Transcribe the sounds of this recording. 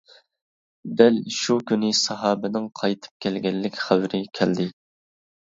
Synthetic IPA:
d̪ɛlʃukʲynɪsɑɦɑːbɪnɪŋqʰɑjt̪ʰɨ̥p̚kʲʰɛlɡʲɛlːɪkʲχæwɾɪkʲʰɛld̪ɪ

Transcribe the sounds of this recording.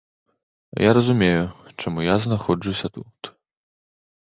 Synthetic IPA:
jaɾɐzumʲejut͡ʂamujaznaxɔd͡ʐɨwsʲɐt̪ut̪

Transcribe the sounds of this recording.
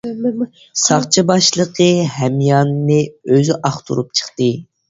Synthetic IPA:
sɑχt͡ʃʰibɑʃlˠəqʰəhɛmjɑnːɨøzyʔɑχt̪ʰṵɾup̚t͡ʃʰə̥χt̪ɨ

